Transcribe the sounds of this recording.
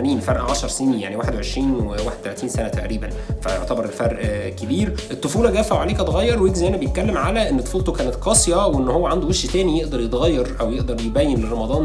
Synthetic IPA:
niːnfɑɾˤʔʕaʃɑɾˤsːnija̰ʕniwaːħed̪weʕeʃɾiːnwewaːħed̪̚t̪ælæt̪iːnsænæt̪æʔɾiːbænfæjo̰ʕt̪æbɑɾˤelfæɾˤʔkebiːɾʔet̪ˤːofuːlɑɡæːfæoʕaleːkæt̪ɣæjːɑɾˤweɡzæjʔænːæbejet̪̚kælːemʕalæʔenːt̪ːˤo̥fuːlt̪okæːnet̪qɑːsˤjɑweʔenːhowːæʕand̪oweʃjt̪æːnijeʔd̪ɑɾˤjet̪ɣæjːɑɾˤʔæwjeʔd̪ɑɾˤjebæjːenlerˤɑmɑd̪ˤɑːn

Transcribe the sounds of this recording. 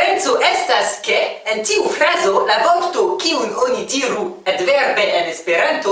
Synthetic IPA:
ɾent͡soʔestaskeentiufɾazolabokt̪okiunonidiɾuet̪veɾbeʔenespeɾant̪o

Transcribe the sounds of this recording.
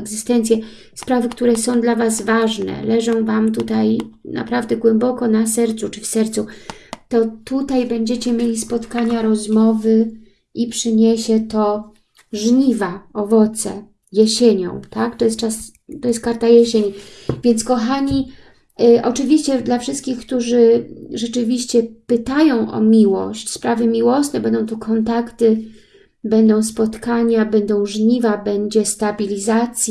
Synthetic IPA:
ɛɡzɘst̪ɛnt̪sʲjɛ | spɾavɘkt̪uɾɛsɔ̃w̃d̪lavazvaʐnɛ̰lɛʐɔ̃w̃vamt̪ut̪ajna̰pɾavd̪ɛɡwɛmbɔkɔnasɛɾt̪sut͡ʂɘfsɛɾt̪sut̪ɔt̪ut̪ajbɛɲd͡ʑɛt͡ɕɛmʲjelʲispɔt̪kaɲaɾɔzmɔvɘ | ʔipʂɘɲeɕɛt̪ɔ | ʐɲivaɔvɔt̪sɛ̰ | jeɕeɲɔ̰̃w̃t̪akt̪ɔjɛst̚t͡ʂas | t̪ɔjɛst̪̚kaɾt̪ajɛɕeɲvʲjɛnt̪skɔxaɲi | ʔɔt͡ʂɘvʲiɕt͡ɕɛd̪lafʂɘst̪̚kʲixkt̪uʐɘʐɛt͡ʂɘvʲiɕt͡ɕɛpɘt̪ajɔ̃w̃ʔɔ̰mʲiwɔ̰ɕt͡ɕspɾavɘmʲiwɔsnɛbɛnd̪ɔ̃w̃t̪ukʰɔnt̪akt̪ɘ | bɛnd̪ɔ̃w̃spɔt̪kaɲabɛnd̪ɔ̃w̃ʐɲivabɛɲd͡ʑɛst̪abʲilʲizat̪sʲj

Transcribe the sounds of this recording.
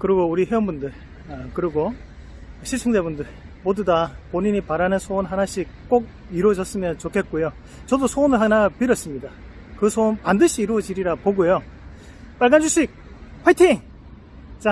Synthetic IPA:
kɯɾiɡouɾiɦewʌnbundɯɭ | kɯɾiɡo | ɕʰiɭt͡ɕʰeŋdebundɯɭmodudapoɲiɲipaɾanɯnsʰonɦanaɕʰik̚k͈oɡ̚ | iɾuwʌd͡ʑʌs͈ɯmjʌnt͡ɕokʰe̞t̚k͈ojo | t͡ɕʌdosʰonɯɭhanapiɾʌs͈ɯmɲida | kɯsʰonpandɯɕʰiːɾuʌd͡ʑiɾiɾapoɡojo | p͈aɭɡand͡ʑuɕʰik̚ | ɸwajtʰiŋ | t͡ɕ͈a

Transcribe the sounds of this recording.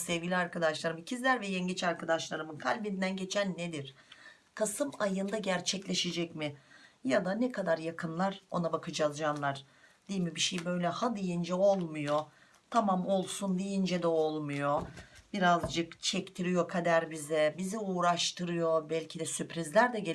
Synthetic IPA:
sɛvɟilʲiaɾkad̪aʃlˠaɾɯmcʰizlʲæɾvɛjɛɲɟit͡ʃaɾkʰad̪aʃlˠaɾɯmɯnkʰalʲbinnd̪ænɟe̞t͡ʃʰænːed̪iɾ̥ | kʰasɯmajɯnd̪aɟæɾt͡ʃʰɛclʲe̞ʃed͡ʒɛcmɪjad̪anɛkʰad̪aɾjakʰɯnlˠaɾo̞nabakʰɯd͡ʒazd͡ʒanlˠaɾ | d̪̥ijmibiʃejbø̞jlʲɛhad̪ˠijind͡ʒɛo̞lˠmujo̞ | t̪ʰamamo̞lˠsund̪ijind͡ʒɛd̪ɛo̞lˠmujo̞b̥iɾazd͡ʒɯkt͡ʃʰɛct̪ʰiɾijo̞kʰad̪æɾbizɛbiziuːɾaʃt̪ʰɯɾɯjo̞bælʲcʰid̪ɛsypɾizlʲæɾd̪ɛɟe

